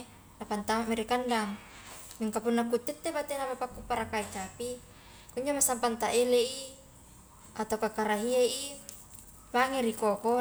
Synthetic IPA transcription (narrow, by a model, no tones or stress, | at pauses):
napant̪amamiɾikandaŋ | miŋkapunːakut̪ːɛt̪ːepat̪enapapakːupaɾakait͡ʃapi | kuɲd͡ʒomasampant̪aʔeleʔi | at̪akakaɾaɦieʔi | maŋeɾikoko